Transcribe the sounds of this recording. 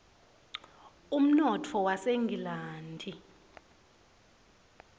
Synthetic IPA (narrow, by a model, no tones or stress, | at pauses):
um̩nɔtʰɔwaseŋɡʱilaːntʰi